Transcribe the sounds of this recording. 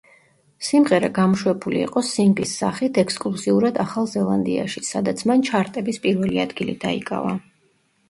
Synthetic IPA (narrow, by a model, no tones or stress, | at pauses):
simʁɛɾa̰ɡamɔʃwɛbulḭːqʼɔsiŋɡlisːaχit̪ʰɛkʰskʼlˠuziuɾad̪aχalˠzɛlˠand̪ia̰ʃisad̪at̪sʰmant͡ʃʰaɾt̪ʼɛbispʼiɾvɛliad̪ɡilḭd̪aḭkʼa̰va